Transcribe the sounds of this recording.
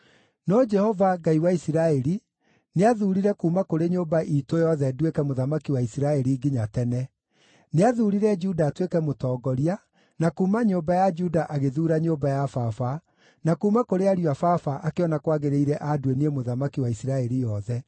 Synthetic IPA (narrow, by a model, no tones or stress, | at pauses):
nɔd͡ʒɛhɔvaɡaiwaisiɾaɛɾi | neaðuːɾiɾɛkuːmakoɾeɲoːmbaʔitojɔðɛdwekɛmoðamakiwaisiɾaɛɾiɡiɲatɛnɛ | neaðuːɾiɾɛd͡ʒudaːtwekɛmotɔːɡɔɾia | nakuːmaɲombajad͡ʒudaʔaɣeðuːɾaɲoːbajafafa | nakuːmakoɾeaɾiafafaʔakeɔnakwaɣeɾeiɾɛʔadwenemoðamakiwaisiɾaɛɾijɔðɛ